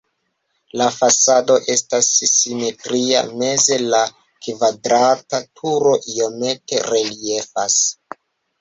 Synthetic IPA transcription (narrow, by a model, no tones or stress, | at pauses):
lafasado̞ʔe̞stasːimetɾia̰me̞ze̞la | kvadɾatatʰuɾo̞ʔio̞me̞te̞ɾe̞lie̞fas